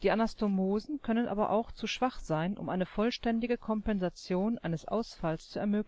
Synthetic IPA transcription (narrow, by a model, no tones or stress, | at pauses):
d̥iːʔanastomoːzn̩kʰœnənʔa̰ːbɐ̰ʔa̰ʊxt͡suʃv̥aχz̥aɪnʔʊ̰mʔaɪnəfɔlʃtɛndɪɡəkʰɔmpɛnzat͡sjoːnʔa̰ɪnəsʔa̰ʊsfalst͡suɛɐmøːkl